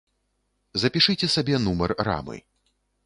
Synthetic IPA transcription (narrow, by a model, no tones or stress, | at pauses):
zɐpʲiʂɨt͡sʲɛsabʲɛnumɐrːa̰mɨ̰